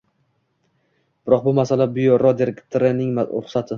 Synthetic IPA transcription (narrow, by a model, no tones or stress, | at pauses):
b̥ɪɾɒq̚bʊmasalabʊjoɾɒd̪eɾekt̪ʰoɾɪnɪŋma̰ʊχsat̪ʰɪ